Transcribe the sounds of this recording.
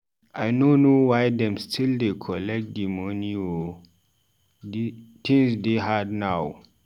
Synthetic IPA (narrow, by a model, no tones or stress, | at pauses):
ʔajnonowajdɛ̃mstʰildekʰɔlɛk̚dimonio | tʰĩŋsdeɦadnaw